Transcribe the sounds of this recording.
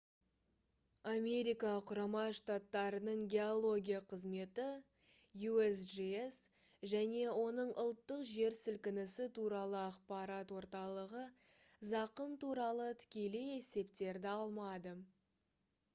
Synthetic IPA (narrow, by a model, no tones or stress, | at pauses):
ame̞ɾijkɑqʰʊɾɑmɑʃt̪at̪ːɑɾənəɴɡʲe̞olˠo̞ɡʲijaqʰəzme̞t̪ɪ | juesʒies | ʒæne̞wo̞nəɴʔʊlˠt̪ːəqʒe̞ɾsɪlkʲɪnɪsɪt̪ʰuɾɑlˠəɑqpɑɾɑt̪wo̞ɾt̪ɑlˠəʁə | zɑqəmt̪ʰuɾɑlˠət̪ʰɪ̥kʲe̞leje̞se̞pt̪e̞ɾd̪ɪɑlˠmɑd̪ə